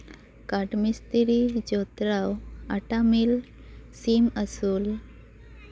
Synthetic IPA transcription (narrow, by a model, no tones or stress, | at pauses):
kaʈmist̪iɾid͡ʑot̪ɾawaʈamil | siməsuːl